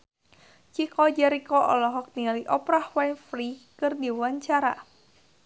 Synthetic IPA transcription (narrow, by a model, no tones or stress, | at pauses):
t͡ʃikɔd͡ʒɛɾikɔʔɔ̰lɔɦɔk̚niliʔɔpɾahwanfrikɨrdiwaɲt͡ʃaɾa̰